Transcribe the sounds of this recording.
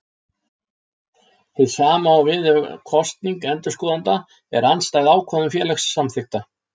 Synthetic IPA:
θɪðsaːmaːwvɪðkʰɔst̪niŋkɛnt̪ʏ̥skɔːðant̪a | ɛɾanst̪aːɣðaːwkʰvɔðʏmfjɛːlɛxsːamθɪxt̪a

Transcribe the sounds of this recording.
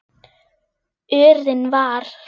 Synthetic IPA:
ʏːɾðɪnvaɾ

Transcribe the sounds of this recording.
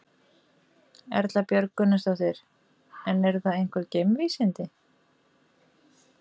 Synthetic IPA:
ɛ̰ɾt̪lapjœɾkʏnʏst̪awθejɾ | ɛnːɛɾθaðejŋ̥kvɛɾcejmviːsɪnt̪ɪ

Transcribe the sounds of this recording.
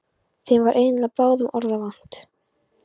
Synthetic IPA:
θejmvaɾʔeːjnlapaːɣðʏmʔɔɾðavan̥t̪

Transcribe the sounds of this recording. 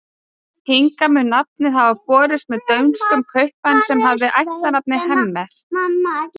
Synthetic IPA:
hiŋkamʏnap̚nɪhavapɔːɾɪst̪mɛðt̪œɥnstk̪ʏmkʰœɥhpansɛmɦavðɪʔajht̪anap̚nɪhɛmːɛɾ̥

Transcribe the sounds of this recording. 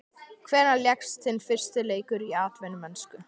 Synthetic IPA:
kʰvɛːɾnaljɛkst̪θɪnfɪr̥st̪ɪleːjkʏɾiaːt̪vɛnʏmɛnskʏ

